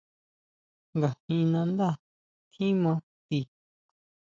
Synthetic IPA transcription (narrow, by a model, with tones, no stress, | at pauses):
ŋɡa˨hĩ˧nã˧nd̪a˦˨ | t̪ʰĩ˦mã˧˦ | t̪i˧˨